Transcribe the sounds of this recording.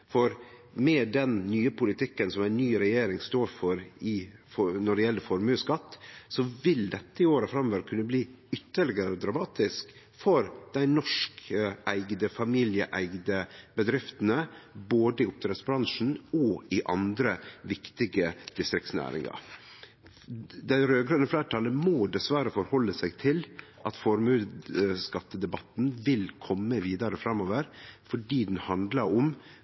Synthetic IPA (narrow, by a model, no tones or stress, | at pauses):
fɔɾ | mɛd̪ɛnnyːəpʰʊlɪt̪ɪkːənsɔmæɪnnːyːɾɛjeːɾɪŋst̪oːɾfɔɾɪɔnɔɖɛjɛlːəfɔɾmʉːskɑt̪ːsɔʋɪld̪ɛt̪ːəɪoːɾəfɾɑmʋæɾkʰʉnːəbliː | ʏt̪ːəɭɪɡəɾəɔd̪ɾɑmɑːt̪ɪsk | fɔɾd̪̥æɪnɔʂkʔæɪɡd̪əfɑmiːljəʔæɪɡd̪əbəd̪ɾɪft̪ənəboːd̪əɪʊp̚t̪ʰɾɛt̪sbɾɑŋʂn̩ɔɪʔɑnd̪ɾəʋɪkt̪ɪɡəd̪̥ɪst̪ɾɪkt̪snæ̰ːɾɪ̰ŋɑ̰ | d̪æɾøːɡɾønəflæːʈʰɑləmoːd̪ɛsʋæɾəfɔɾhɔlːəsæɪɡt̪ʰɪl | ʔɑt̪fɔɾmʉːskɑt̪ːəd̪ɛbɑt̪n̩ʋɪlkʰɔmːəʋiːd̪ɑɾəfɾɑmːoːʋəɾfɔɖiːd̪ɛnhɑnd̪lɑɾʊm